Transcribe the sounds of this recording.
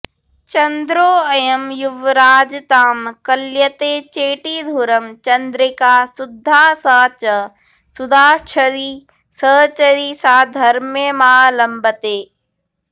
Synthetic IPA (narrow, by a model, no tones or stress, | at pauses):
t͡ʃɐnd̪ɾoːɐjɐmjʊʋɾaːd͡ʒt̪aːmkɐljət̪eːt͡ʃeːʈiːd̪ʱuɾɐmt͡ʃɐnd̪ɾɪkaːsʊd̪ʱːaːsaːt͡ʃə | sʊd̪aːt͡ʃʰəɾi | səːt͡ʃəɾiːsaːd̪ʱɐɾmjemaːlɐmbət̪eː